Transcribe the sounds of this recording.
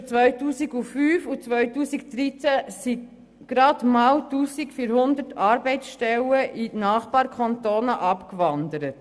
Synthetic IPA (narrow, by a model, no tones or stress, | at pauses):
t͡sʋœʏtuːsiɡufyːfut͡sʋœɥtuːsikd̥̪ɾit͡sæsi | ɡ̥ɾɑd̥mɑwtuːsikfiːɾhʊnd̪ətʰɑːɾbɛɪsʃtɛləʔinɑːχb̥ɑːɾkʰɑntoːnəʔɑpkʋɑnd̪əɾət